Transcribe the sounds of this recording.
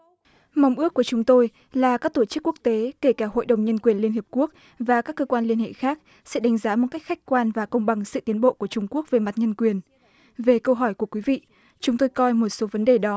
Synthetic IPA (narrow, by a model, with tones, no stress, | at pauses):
ma˨˧wŋ͡mʔɨ˦˥əkːu˧˩ət͡ɕʊ˨˦ŋ͡mt̪o˧j | laː˨˩kaː˦˥k̚t̪o˧˩t͡ɕɨ˦˥kːu˦˥ək̚t̪e˨˦ke˧˩kaː˧˩ho̰˧˨jɗə˨˩wŋ͡mɲə˧nkwi˨˩ənli˧ənhi˨˩p̚ku˦˥ək̚ | vaː˨˩kaː˦˥kːəː˧kwaː˧nli˧ənhḛ˧˨xaː˦˥k̚ | sɛ̰˧˥ɗa˨˦ŋ̟zaː˨˦mo˨˩t̚ka˦˥jk̚xa˦˥jk̟kwaː˧nvaː˨˩kə˧wŋ͡mɓa˨˩ŋsɨ̰˧˨t̪i˨˦ənɓo̰˧˨ku˧˩ət͡ɕʊ˧ŋ͡mku˦˥ək̚ve˨˩ma˨˩t̚ɲə˧nkwi˨˩ən | ve˨˩kə˧wɦɔ˧˩jku˧˩əkwi˨˦vḭ˧˨ | t͡ɕʊ˨˦ŋ͡mt̪o˧jkɔ˧jmo˨˩t̚so˨˦və˨˦nɗe˨˩ɗɔ˨˦